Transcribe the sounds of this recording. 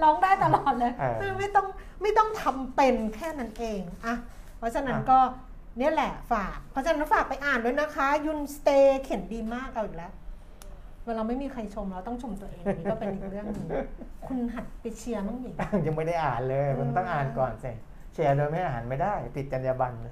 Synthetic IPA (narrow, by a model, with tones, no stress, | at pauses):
lɔː˦˥ŋdaː˥˩jt̪a˧lɔː˨˩t̪̚lɤː˧jɯː˥˧ma˥˩jt̪ɔ˥˩ŋ | ma˥˩jt̪ɔ˥˩ŋt̪ʰa˧mpe˧nkʰɛː˥˩na˦˥nʔeː˧ŋʔa˧ | pʰɔ˦˥t͡ɕʰa˧na˦˥nkɔː˥˩ | ni˦˥ɐlɛ˨˩faː˨˩k̚pʰɔ˦˥t͡ɕʰa˧na˦˥nfaː˨˩k̚pa˧jʔaː˨˩ndoː˧jna˦˥kʰa˦˥ju˧nst̪eː˧kʰe˩˦ndiː˧maː˥˩k̚ʔa˧wiː˨˩lɛ˦˥ | wɛː˧ɾaː˧wma˥˩jmiː˧kʰa˧jt͡ɕʰo˧mɾa˧wt̪ɔ˥˩ŋt͡ɕʰo˧mt̪u˧ɐʔeː˧ŋ˧niː˦kɔ˥˩pe˧nʔiː˨˩k̚ɾɯ˥˩əɯ˧kʰu˧nɦa˨˩t̪̚pa˧t͡ɕʰi˧ɐnɔ˥˩ŋiː˨˩˥ŋja˧ŋma˥˩jda˥˩jʔaː˨˩nlɤː˧jmu˧nt̪ɔ˥˩ŋʔaː˨˩nkɔː˨˩nsi˨˩ | t͡ɕʰi˧ɐdoː˧jma˥˩jʔaː˧˨ɦaː˩˦nma˥˩jdaː˥˩jp̪i˨˩t̪̚t͡ɕa˧njaː˧ba˧n